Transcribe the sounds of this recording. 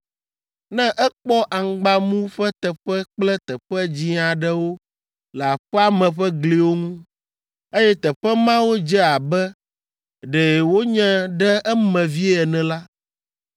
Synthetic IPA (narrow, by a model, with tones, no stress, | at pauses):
nɛ̃˦ʔɛ˦k͡pɔ˦ʔa˨ŋ˨ɡ͡ba˦mũ˦ɸɛ˦t̪ɛ˨ɸɛ˦k͡plɛ˦t̪ɛ˨ɸɛ˦d͡ʑi˦a˨ɖɛ˨wo˦ | lɛ˨a˨ɸɛ˦a˦mɛ̃˨ɸɛ˦ɡli˨wo˦ŋũ˦ | e˦jɛ˦t̪ɛ˨ɸɛ˦mã˦wo˦d͡ʒɛ˦a˨bɛ˦ | ɖɛ˨wo˦ɲɛ̃˦ɖɛ˦ɛ˦mɛ̃˨vi˦ɛ˨nɛ̃˨la˦